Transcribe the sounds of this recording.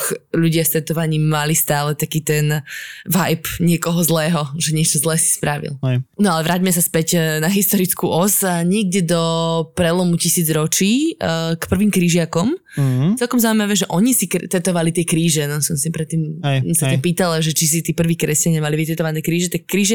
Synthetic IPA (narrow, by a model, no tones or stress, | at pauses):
ʎuɟɪafst̪ɛt̪ɔʋaɲiːmːalist̪aːlɛt̪akiːt̪ɛnʋajpɲɪɛkɔɦɔzlɛːɦɔʒɛɲɪɛt͡ʃɔzlɛːsi̥spɾaʋḭlnɔalɛʋɾaːɟmɛsaspɛcnaɦist̪ɔɾit͡skuʔɔsaɲɪɛɡɟɛd̪ɔpɾɛlɔmucisiːd͡zɾɔt͡ʃiːkpr̩ʋiːmkɾiʒɪakɔm | t͡sɛlˠkɔmzaʊimaʋɛːʒɛʔɔɲisikt̪ɛt̪ɔʋalit̪ɪɛkɾiːʒɛnɔsɔmsipɾɛt̪ːiːmsat̪ampiːt̪alaʒɛt͡ʃis̬it̪iːpr̩ʋiːkɾɛscaɲamaliʋit̪ɛt̪ɔʋanɛːkɾiːʒɛt̪akːɾiːʒ